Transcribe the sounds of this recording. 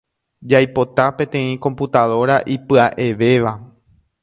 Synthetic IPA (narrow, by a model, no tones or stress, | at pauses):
d͡ʒajpo̞t̪apẽ̞t̪ẽ̞ĩko̞mput̪aðo̞ɾaʔipɨaʔe̞ʋe̞ʋa